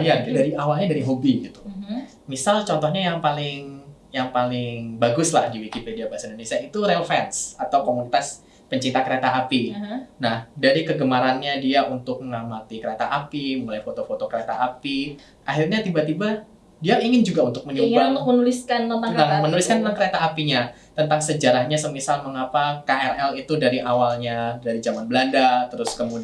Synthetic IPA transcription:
jadaɾiawalɲadaɾiɦobiɡit̪u̥ | misalt͡ʃɔnt̪ɔhɲajaŋpalɪŋjaŋpalɪŋbaɡʊsla̰hdiwikipediabaasaindonesiait̪uɾelfɛnsat̪awkomunit̪as | pəɲt͡ʃint̪akəɾet̪aʔapinahdaɾikəɡəmaɾanɲadiaʔunt̪ʊk̚məŋamat̪ikəɾet̪aʔapiməmulajfot̪ofot̪okəɾet̪a̰ʔapi | ʔaɦirɲat̪ibat̪iba | diaiŋɪnd͡ʒuɡaunt̪ʊk̚məniubaunt̪ʊk̚mənulɪskanaanamənulɪskanaŋkəɾet̪aːpiɲa | t̪ənt̪aŋsəd͡ʒaɾahɲasəmisalməŋapakaʔɛrɛlit̪udaɾiʔawalɲadaɾid͡ʒamanbəlandat̪əɾʊskəmud

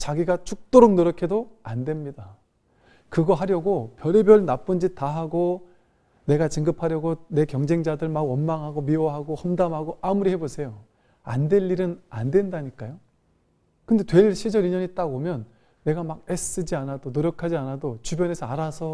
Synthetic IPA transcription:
t͡ɕaɡiɡat͡ɕʰuk̚t͈oɾoŋ̚noɾjʌkʰe̞doandwe̞mɲida | kɯɡʌɦaɾjʌɡopjʌɾebjʌɭnap͈ɯnd͡ʑitaɦaɡo | ne̞ɡat͡ɕɯŋɡɯpʰaɾjʌɡone̞kjʌŋd͡ʑe̞ŋd͡ʑadɯɭmaɡwʌnmaŋɦaɡomiwʌɦaɡohʌmdamɦaɡoʔamuɾihe̞bosʰe̞jo | a̰ndwe̞ʎːiɾɯna̰ndwe̞ndaɲik͈ajo | kɯnde̞twe̞ɭɕʰid͡ʑʌɾiɲʌɲit͈aɡomjʌnː | e̞ɡamaɡ̚es͈ɯd͡ʑianadonoɾjʌkʰad͡ʑianadot͡ɕubjʌne̞sʰʌaɾasʰʌ

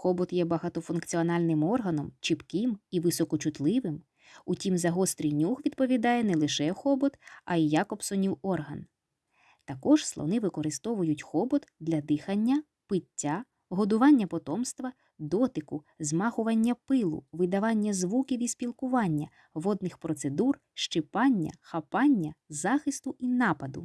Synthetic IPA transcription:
xɔbɔt̪jɛbɐɦɑt̪ɔfʊnkt͡sʲiɔnɑlʲnɪmɔrɦɐnɔmt͡ʃipkɪmiʋɪsɔkɔt͡ʃʊt̪lˠɪʋɪm | utʲimzɐɦɔst̪ɾʲijnʲuxʋʲid̪pɔʋʲid̪ɑjɛnɛlˠɪʃɛxɔbɔt̪ɐ̰ijɑkɔpsɔnʲiwɔrɦɐn | t̪ɐkɔʒslˠɔ̰nɪʋɪkɔɾɪst̪ɔʋʊjʊtʲxɔbɔt̪d̪lʲɐd̪ɪxɐnʲːɐ | pɪtʲːa | ɦɔd̪ʊʋɑnʲːɐpɔt̪ɔmst̪ʋɐ | d̪ɔt̪ɪkʊ | zmɑxʊʋɐnʲːɐpɪlˠʊ̰ʋɪd̪ɐʋɑnʲːɐzʋukʲiwisʲpʲilˠkʊʋɑnʲːɐ | ʋɔd̪nɪxpɾɔt̪sed̪ur | ʃt͡ʃɪpɑnʲːɐ̰xɐpɑnʲːɐzɑxɪst̪ʊʔinɑpɐd̪ʊ̰

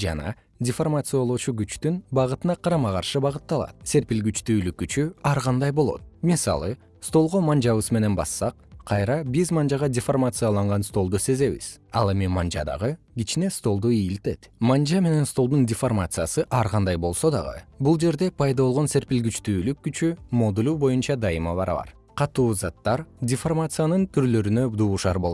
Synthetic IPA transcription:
d͡ʒɑ̰nɑ̰ | dʲɪformat̪sɨjolˠot͡ʃuɡyt͡ʃt̪ynbɑʁɯt̪ɯnɑqʰɑɾɑmɑqɑɾʃɯbɑʁɯt̪ːɑlˠɑ̰t̪̚se̞ɾpilɡyt͡ʃt̪yːlyk̚ːyt͡ʃyɑɾʁɑnd̪ɑjbo̞lˠo̞̰t̪̚misɑ̰lˠɯ | st̪o̞lˠʁo̞mand͡ʒɑβɯzme̞ne̞nbɑ̰sːɑqqʰɑjɾɑbizmand͡ʒɑʁɑdʲɪformat̪sɨjalˠɑɴʁɑnst̪o̞lˠd̪use̞ze̞βḭz̥ɑ̰lˠe̞mimand͡ʒɑ̰d̪ɑ̰ʁɯ | ɡʲit͡ʃine̞st̪o̞lˠd̪uijːlt̪e̞t̪mand͡ʒame̞ne̞nst̪o̞lˠd̪undʲɪformat̪sɨjasɯʔɑɾqɑnd̪ɑjbo̞lˠso̞d̪ɑ̰ʁɯ̰bulˠd͡ʒe̞ɾd̪e̞pʰɑjd̪ɑβolˠʁo̞nse̞ɾpilɡyt͡ʃt̪yːlykːyt͡ʃymo̞d̪ulʲubo̞junt͡ʃɑd̪ɑjɯmɑβɑ̰ɾ̰βɑ̰ɾ | qʰɑt̪uːzɑt̪ːɑɾdʲɪformat̪sɨjanɯnt̪ʰyɾlø̞ɾynød̪uːʃɑɾbo̞o

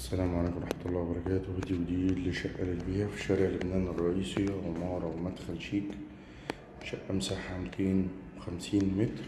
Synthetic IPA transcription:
ʔæsːælæːmʕaleːkmɾˤɑħmæt̪olːɑːwɑbɑɾˤɑkæːt̪hd̪iːwd̪iːllːiʃæʔːælɪt̪biːhæfi̥ʃæɾɪʕlobnæːnɑrˤːɑʔiːsimɑːɾˤɑwmæd̪xælʃiːk | ʃæʔʔæmsaħamt̪ʰeːnwexæmsiːnmet̪ɾ

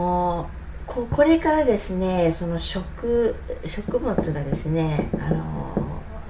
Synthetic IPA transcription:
kʰokʰo̞ɾe̞kaɾad̪e̞sɨne̞so̞no̞ɕo̞kɯ̟ɕo̞kɯ̟mo̞t͡sɨɡad̪e̞sɨne̞a̰no̞̰

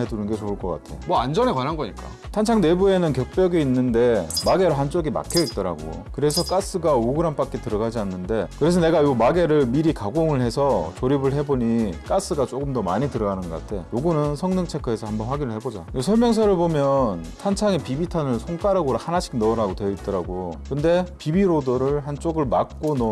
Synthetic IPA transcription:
edunɯnɡe̞t͡ɕoɯɭk͈ʌk͈a̰tʰeomʌand͡ʑʌnekwanɦanɡʌɲik͈a̰ | tʰant͡ɕʰaŋne̞bue̞nɯnkjʌk̚p͈jʌɡeinːɯnde̞maɡe̞ɾoɦant͡ɕ͈oɡima̰kʰjʌit̚t͈ʌɾa̰ɡo̰ | kɯɾe̞sʰʌk͈as͈ɯɡaoɡɯɾamp͈ak͈etɯɾʌɡad͡ʑianːɯnde̞kɯɾe̞s̬ʰʌne̞ɡajomaɡe̞ɾɯɭmiɾikaɡoŋɯɭɦe̞sʰʌt͡ɕoɾibɯɭɦe̞boɲik͈as͈ɯɡat͡ɕ͈oɡɯmdʌma̰ɲitɯɾʌɡanɯnɡʌk͈a̰tʰe̞joɡɯnɯnsʰʌŋnɯŋt͡ɕʰe̞kʰʌesʰʌhambʌnɸwaɡinɯɭɦhebod͡ʑa̰esʰʌɭmjʌŋs̬ʰʌɾɯɭpomjʌntʰant͡ɕʰaŋepibitʰanɯɭsʰoŋk͈aɾɯɡoɾahanaɕʰi̥k̚nʌɾaɡotwe̞it̚t͈ʌɾaɡokɯnde̞pibiɾodoɾɯɭhant͡ɕ͈oɡɯɭmak̚k͈onʌ

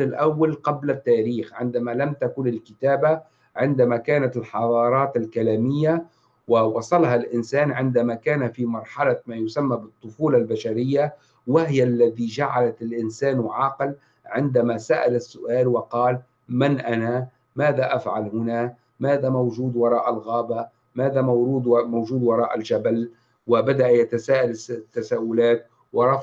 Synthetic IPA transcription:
ɪlʔawːalqɑblat̪ːaːɾiːxʕɪnd̪amalamt̪akʊnɪlkɪt̪aːba | ʕɪnd̪amakaːnat̪ɪlħɑðˤɑːɾˤɑːt̪ɪlkalaːmɪjːa | wɪwɑsˤɑlɦalʔɪnsaːnʕɪnd̪amakaːnafimɑɾˤħɑlamaːjʊsamːabɨt̪ˤːʊfuːlalbaʃaɾɪjːa | wɪhɪjalːaðid͡ʒaʕalat̪ɪlʔɪnsaːnwʕɑql | ʕɪnd̪amasaʔa̰lasːʊʔaːlwɪqɑːl | manʔana | maːðaʔafʕa̰lhʊna | maːðamawʒuːd̪wɑɾˤɑːʔalɣaːba | maːðauːd̪mawʒuːd̪wɑɾˤɑːʔalʒabal | wɪbad̪aʔjat̪asaːʔalt̪ːasaːʔʊlaːt̪̚ | wɑɾˤɑ

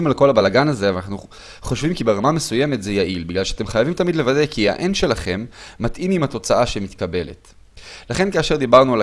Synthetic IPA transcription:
imalko̞labalaɡanaze̞avanaχnu | χo̞ʃvimkibeʁamame̞suje̞met̪zejaʔilbiɡlalʃeḁt̪e̞mχajavimt̪amid̪le̞vadekia̰ʔenʃe̞laχe̞mːat̪ʔimimat̪o̞t͡saʔaʃemit̪kabe̞le̞̰t̪ | laχe̞nkaːʃe̞ʁd̪ibaʁnual

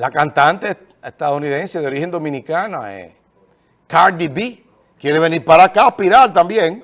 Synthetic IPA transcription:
lakant̪ant̪e | est̪aðouniðenseðeo̞ɾihend̪o̞mĩnikana̰ḛ | kaɾd̪ibi | kjeɾeβeniɾpaɾakapiɾalt̪ambjeŋ

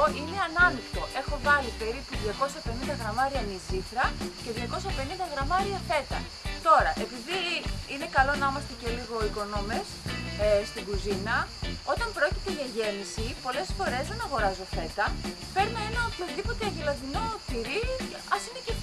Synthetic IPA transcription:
ʔine̞ɐnɐnikt̪o̞ʔe̞xo̞vɐlipe̞ɾipuðʝɐko̞sɐpe̞nind̪ɐɣɾɐmɐɾiɐniziθɾɐce̞ðʝɐko̞sɐpe̞nind̪ɐɣɾɐmɐɾiɐθe̞t̪ɐ̰ | t̪o̞ɾɐʔe̞piðiine̞kɐlo̞nɐimɐst̪e̞celiɣo̞iko̞no̞me̞sst̪iɡuzinɐo̞t̪ɐmpɾo̞cit̪e̞ʝɐʝe̞misipo̞le̞sfo̞ɾe̞zðe̞nɐɣo̞ɾɐzo̞θe̞t̪ɐ | pe̞ɾnɐe̞nɐopçozðipo̞t̪eɐʝilɐðino̞t̪iɾi | ɐsinece

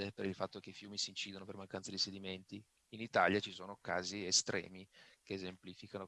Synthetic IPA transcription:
epeɾilfat̪ːok̟eifjuːmisiːnt͡ʃiːd̪onopermaŋkant̪sad̪ised̪iment̪iː | nit̪aljat͡ʃisoːnoka̰ːziest̪ɾɛ̰ːmikeːzemplifikano

